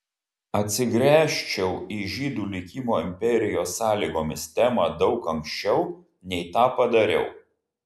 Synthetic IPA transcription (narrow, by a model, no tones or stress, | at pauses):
ɐt̪ʲsʲɪɡɾʲæːʃʲt͡ʃʲɛʊiːʒʲiːd̪uːlʲɪkʲiːmoːɪmʲpʲɛɾʲɪjoːsːɑːlʲiːɡoːmʲɪst̪ʲæːmɑːd̪ɒʊkɐŋʲkʃʲt͡ʃʲɛʊ | nʲɛɪt̪ɑːpɐd̪ɐɾʲɛ̰ʊ